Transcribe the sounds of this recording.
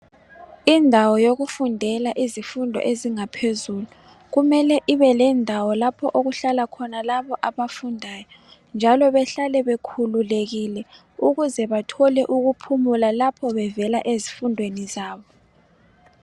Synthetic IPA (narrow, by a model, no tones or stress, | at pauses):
indʱawɔjoɣufundʱɛlaʔizifundʱɔ̰ʔeziŋapʰezulu | ɣumɛlɛʔiβɛlɛndʱawɔlapʰɔʔoɣuɬalakʰɔnalaβɔʔaβafundʱaːjɔ | nd͡ʒʱalɔβɛɬalɛβekʰululeɣilɛ | uɣuzɛβatʰɔlɛʔuɣupʰumulalapʰɔβɛvɛlaʔezifundʱwenizaːβɔ